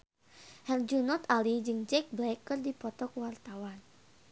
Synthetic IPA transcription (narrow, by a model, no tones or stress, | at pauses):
hɛld͡ʒunɔt̪alid͡ʒɨŋd͡ʒɛk̚blɛkːɨrdipɔt̪ɔkwart̪awan